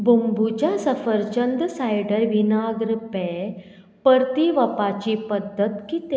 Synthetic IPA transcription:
bʱumbʱut͡ɕasɐfəɾt͡ɕənd̪sajɖəɾʋinaɡɾpe | pəɾt̪iʋɐpat͡ɕipəd̪ʱːət̪kit̪e

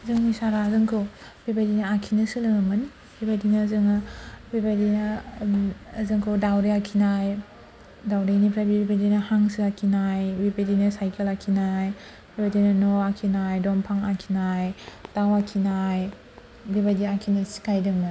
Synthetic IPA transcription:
zɯŋnisaɾazɯŋkʰowbibadinaakʰinɯsɯlɯŋamɯni | bibadinazɯŋabibadinaː | zɯŋkʰɯwdawɾiakʰinaj | dawɾinipʰɾabibibadinahaŋsɯakʰinajbibadinasajkelakʰinaj | bibadinɐnoakʰinajdompʰaŋakʰinajtawakʰinaj | bibadiakʰinɯsi̥kʰajdɯŋmɯ

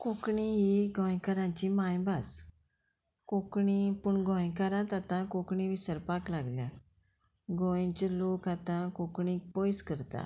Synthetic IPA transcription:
koːkɳiɦiɡɔ̃ːĩkəɾãːt͡ʃiːmãːĩbas | koːkɳiːpʊɳɡɔ̃ːẽkəɾãːt̪at̪ãːkoːkɳĩːbʱisəɾpaːklaːɡljãː | ɡõːẽt͡ʃəloːkat̪ãːkoːkɳiːpoːɪskəɾt̪a̰ː

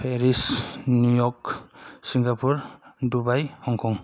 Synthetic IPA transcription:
pʰeɾisnujɔksiŋɡapʰuɾdubajhɔŋkʰɔŋ

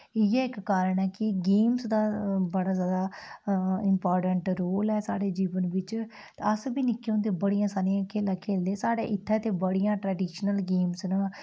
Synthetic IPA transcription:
ɪjɛːɪkkaːɾəɳɛːkɪɡeːmsd̪aːbəɽaːzjaːd̪aː | ɪmpɔːɾʈəɳʈɾoːlɛːsa̰ːɽeːd͡ʒiːʋənʋɪt͡ʃ̪ | əsbiːnɪkːeõːd̪eːbəɽijãːsaːnijãːkeːləkʰeːld̪eːsaːɽḛːʔɪt̪ʰːɛːt̪eːbəɽijãːʈɾɛːɖiːʃnəlɡeːmsnaː

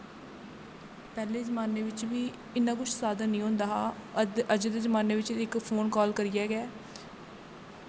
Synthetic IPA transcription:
pɛːleːzəmaːneːʋɪt͡ʃʋiː | ɪnːãːkʊt͡ʃʰsaːd̪aːnĩːɦõːnd̪aːɦaːəd͡ʒd̪eːzəmaːneːʋɪt͡ʃɪkpʰoːnkɔːlkəɾɪjɛːɡɛː

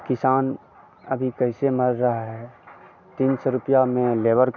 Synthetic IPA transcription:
kɪsaːn | ɐbʱikɐɪsemɐɾːɐɦaɦɛ | t̪iːnsɔɾʊpijamẽleːʋəɾk

